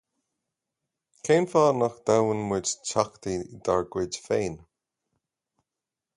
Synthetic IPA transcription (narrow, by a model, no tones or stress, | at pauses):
kʰejnfaːnaxd̪̥awənwɪd͡ʒt͡ʃʰakt̪id̪̥aɹɡwɪdfeːn